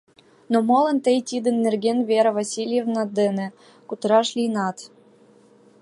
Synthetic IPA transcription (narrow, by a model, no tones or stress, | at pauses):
nomɑlˠɤ̆nt̪ɘ̆jt̪ʲid̪ɘ̆nːɘ̆rɡʲenvʲeɾɤ̆vɑsʲilʲjevnɑd̪ɘ̆nʲɘ̆ | kut̪ɤ̆ɾɑʃlʲinɑt̪